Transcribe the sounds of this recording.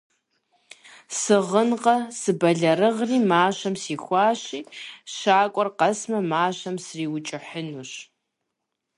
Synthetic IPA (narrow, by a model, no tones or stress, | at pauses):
sɨʁənqɐsɨbɐɮɐɾɨʁriːmaːɕɐmsiːxʷɑːɕiːɕaːkʷʼɔrqɐsmɐmaːɕɐmsriːwt͡ʃʼɪħənuɕ